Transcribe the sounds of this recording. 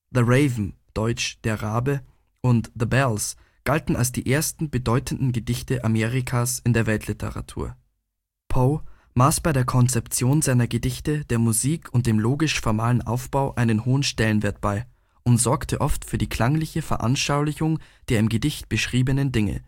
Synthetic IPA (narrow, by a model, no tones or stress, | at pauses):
ðəʁeɪvm̩ | d̥ɔʏt͡ʃd̥eːɐʁaːbə | ʔʊntðəbɛls | ɡ̥altn̩a̰lsd̥iːʔeːɐstn̩bədɔʏtən̩dn̩ɡədɪçtəʔameːʁikʰaːsɪndeːɐvɛltʰlɪtʰə̰ʁa̰tʰṵːɐ | pʰɔ | maːsb̥aɪɾeːɐkʰɔnt͡sɛpt͡sjoːnzaɪnɐɡədɪçtəd̥eːɐmuziːkʰʊnt̚d̥eːmloːɡɪʃfɔɐmaːlənʔa̰ʊfb̥aʊʔaɪnənhoːənʃtɛlənvɪɐt̚b̥aɪ | ʔʊntz̥ɔɐktʰəʔɔftfyːɐdiːkl̥aŋlɪçəfɛɐʔa̰nʃaʊlɪçʊŋd̥eːɐɪmɡədɪçt̚b̥əʃʁ̥iːbənəndɪŋə̰